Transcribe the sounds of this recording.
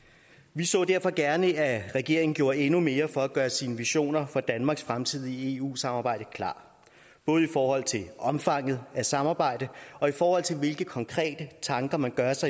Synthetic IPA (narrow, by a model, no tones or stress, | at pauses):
ʋisɔ̰̽ːd̥æɐ̰fɒ̽ɡ̥æɐnəæʁɛɡ̥e̝ɐ̰e̝ŋn̩ɡ̥jo̝ːɐe̝nume̝ːɐfɒ̽æɡ̥ɶːɐsiːnəʋiɕo̝̰ːnɐfɒ̽d̥ænmɑ̈ɡ̥sfʁamt͡sʰið̞̰ˠie̝ṵːsɑ̈mɑ̈ːb̥ɑ̈ɪ̰d̥əkʰlɑ̰̈ː | b̥ɔ̽ːð̞̩ˠifɒːhɒ̽l̰t͡sʰe̝lʔɒ̽mfɑ̈ŋ̰ð̞̩ˠæsɑ̈mɑ̈ːb̥ɑ̈ɪ̰d̥əɒ̽ifɒːhɒ̽l̰t͡sʰe̝lʋe̝lɡ̥əkʰɒ̽ŋkʰʁɛ̰ːd̥ət͡sʰɑ̈ŋɡ̥ɐmænɡ̥ɶɐsɑ̈ɪ